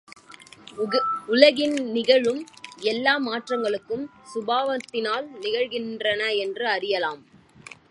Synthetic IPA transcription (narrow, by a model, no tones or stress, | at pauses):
ʊlɐɣɪnnɪɣɐɻɯmɛlːaːmaːʈrɐŋɡɐɭɯkːɯmsʊbaːʋɐt̪ːɪnaːlnɪɣɐɻɣɪndrɐnɐɛndrɯɐɾɪjɐlaːm